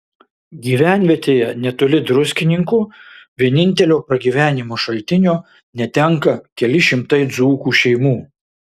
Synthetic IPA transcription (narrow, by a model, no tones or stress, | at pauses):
ɡʲiːʋʲæˑnʲʋʲiɛt̪ʲeːjɛnʲɛt̪ʊlʲɪd̪ɾʊsʲkʲɪnʲɪŋkuːʋʲiɛnʲɪnʲt̪ʲɛlʲoːpɾɐɡʲiːʋʲæːnʲɪmoːʃɐlʲˑt̪ʲɪnʲoː | nʲɛt̪ʲɛŋkɐkʲɛlʲɪʃʲɪmt̪ɐɪd̪zuːkuːʃʲɛɪmuː